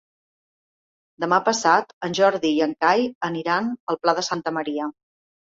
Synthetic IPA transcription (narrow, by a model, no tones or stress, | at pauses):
d̪əmapəsat̪ənʲʒɔɾðiːəŋkajəniɾanəlˠplaðəsant̪əməɾiə